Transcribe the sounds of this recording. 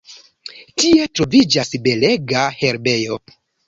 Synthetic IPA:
tie̞tɾo̞vid͡ʒasbe̞le̞ɡahe̞ɾbe̞jo̞

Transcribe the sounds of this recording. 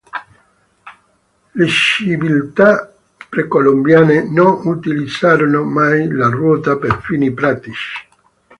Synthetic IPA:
leʃivilt̪a | pɾekolombjaːnenonut̪ilid̪zaːɾonomajlarwɔːt̪apeɾfiːnipɾaːt̪it͡ʃi̥

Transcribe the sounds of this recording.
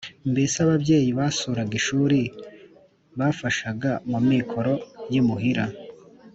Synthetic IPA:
mbesaβabɟe̞ːjiβasuɾaɡiʃuːɾi | βafaʃaɡamumːikʰo̞ɾo̞jimuɦiɾa

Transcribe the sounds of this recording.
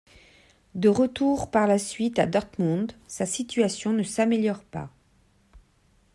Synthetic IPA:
d̪əʁət̪uʁpaʁlasɥit̪ad̪ɔʁt̪mɑ̃d̪sasit̪ɥasjɔ̃nəsameljɔʁpa̰

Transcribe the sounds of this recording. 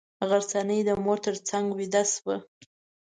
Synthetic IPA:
ɣaɾt͡sanəjd̪əmoɾt̪əɾt͡saŋɡwid̪aswə

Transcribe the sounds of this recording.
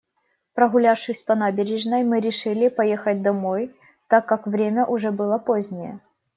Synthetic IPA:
pɾɐɣʊlʲafʂɨxsʲpɐnabʲɪɾʲɪʐnəjmɨɾʲɪʂɨlʲɪpɐjexət̚ʲd̪ɐmo̞j | t̪akːakvɾʲemʲəʔʊʐɛbɨlˠəpozʲnʲɪjə̰

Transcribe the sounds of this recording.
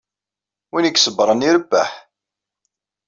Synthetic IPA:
winəɡsəbɾˤəniɾəbːæ̰ħ

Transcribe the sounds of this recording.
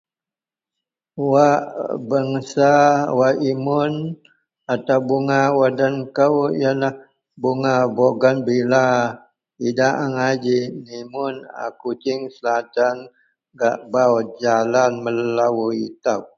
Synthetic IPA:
waʔbaŋsawaʔimʊn | at̪awbuŋawadankəwjalah | buŋaboɡanbila | idaʔaŋad͡ʒinimʊna̰kut͡ʃɪŋsəlat̪an | ɡaʔbawd͡ʒalanməllawuit̪aw

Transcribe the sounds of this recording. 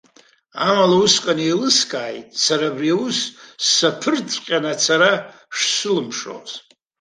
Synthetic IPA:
amalausqʼanielɨskʼaːjtʼsaɾaːbriawusːapʰɨrt͡sʼqʲʼanat͡sʰaɾa | ʂsɨlɨmʂo̰z

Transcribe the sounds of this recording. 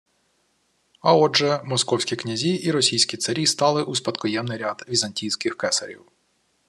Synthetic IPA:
ɐɔʒɛmɔskɔwsʲkʲiknʲɐzʲiʔiɾɔsʲijsʲkʲit̪sɐɾʲist̪ɑlˠɪʔuspɐt̪kɔjɛmnɪɾʲad̪ʋʲizɐnʲtʲijsʲkɪxkɛsɐɾʲḭw

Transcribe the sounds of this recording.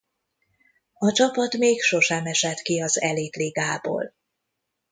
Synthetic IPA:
ɒt͡ʃɒpɒt̪meːkʃo̞ʃɛmɛʃɛt̪kiɒzɛleːt̪leːɡaːbo̰ːl

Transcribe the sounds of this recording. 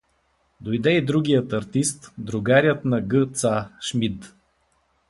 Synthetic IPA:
d̪ojd̪ɛid̪ɾuɡijət̪ɐɾt̪ist̪d̪ɾʊɡaɾʲjət̪nɐɡɤt̪saʃmit̪

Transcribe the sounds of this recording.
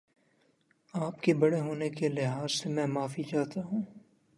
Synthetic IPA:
aːpkebɐɽeɦoːnekelɪɦaːzsemɛ̃ːmaːfid͡ʒaːt̪aɦũː

